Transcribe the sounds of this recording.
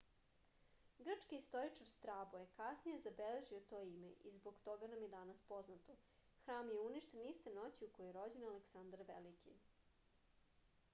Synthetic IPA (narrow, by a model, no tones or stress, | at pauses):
ɡr̩t͡ʂkiːst̪o̞ɾit͡ʂaɾst̪ɾaːbojekasnijezabele̞ʒiot̪o̞ːimḛʔizboɡt̪o̞ɡanamjed̪anaspo̞znat̪o | xɾaːmjeuniʃt̪enist̪e̞no̞t͡ɕiukojoeɾo̞d͡ʑenaleksand̪aɾʋḛlikḭ